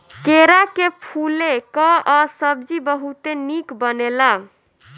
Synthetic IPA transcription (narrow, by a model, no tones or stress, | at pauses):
keɾakepʰulekɔɔsəb̚d͡ʒibəɦut̪enikbənela